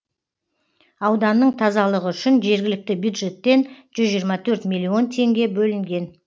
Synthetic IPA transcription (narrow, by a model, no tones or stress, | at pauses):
ɑwd̪ɑnːəɴt̪ʰɑzɑlˠəʁəʏʃɪnʒe̞ɾɡʲɪlɪk̚t̪ɪbjud̪ʒe̞t̪ːe̞nʒ̥ʏzʒijəɾmɑt̪ʰɵɾt̪mʲilʲːio̞nt̪ʰe̞ŋɡʲe̞bɵlɪŋɡʲe̞n